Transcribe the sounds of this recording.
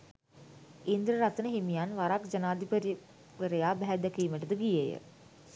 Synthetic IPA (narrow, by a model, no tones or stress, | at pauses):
ind̪ɾəɾat̪ənəɦimijanʋaɾakd͡ʒənaːd̪ipəɾi | ʋəɾejaːbæɦæd̪ækiːməʈəd̪əɡijejə̰